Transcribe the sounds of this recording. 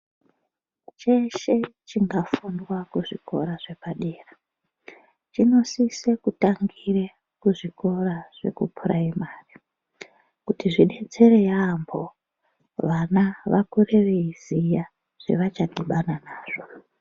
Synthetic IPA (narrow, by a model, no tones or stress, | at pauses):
t͡ʃeʃe̞t͡ʃiŋɡafundwakuʐiko̞̰ɾaʐe̞paɗeːra | t͡ʃino̞sisekutaŋɡire | kuʐiko̞raʐ̥e̞̰kupʰuɾaimaːri | kutiʐine̞d͡ze̞ɾejambo̞ | ʋanaʋakure̞ʋe̞izija | ʐ̥e̞̰ʋat͡ʃadiɓananaːʐ̥o̞